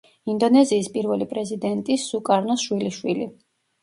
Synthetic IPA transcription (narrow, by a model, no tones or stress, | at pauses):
ind̪ɔnɛziːspʼiɾvɛlipʼɾɛzid̪ɛnt̪ʼisukʼaɾnɔsʃwiliʃwili